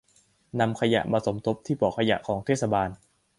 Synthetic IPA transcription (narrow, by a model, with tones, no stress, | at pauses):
na˧mkʰa˧ja̰˨˩ʔmaː˧so˩˦mt̪ʰo˦˥p̚t̪ʰiː˥˩pɔː˨˩kʰa˧ja̰˨˩ʔkʰɔː˩˦ŋt̪ʰeː˥˩t̪̚sa˧baː˧n